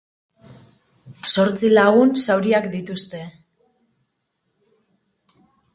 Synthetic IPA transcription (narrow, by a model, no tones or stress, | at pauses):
so̞ɾt͡silaɣunsawɾiakd̪it̪ust̪e̞